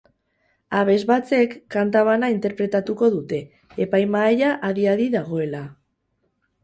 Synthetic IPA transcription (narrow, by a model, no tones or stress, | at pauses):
aβ̞e̞zβat͡se̞kːant̪aβ̞anaint̪e̞ɾpɾe̞t̪at̪uko̞ðut̪e̞ː | pajmaejaʔaðiaðiðaɣo̞e̞la